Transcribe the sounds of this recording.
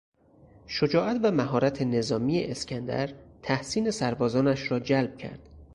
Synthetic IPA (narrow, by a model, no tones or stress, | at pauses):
ʃod͡ʒɒːʔæt̪væmæɦɒːɾæt̪ʰe̞ne̞zɒːmiːeʔescʰʲænd̪æ̰ɾt̪ʰæhsiːne̞sæɾbɒːzɒːnæʃɾɒːd͡ʒælb̚cʰæ̰ɾd̪̥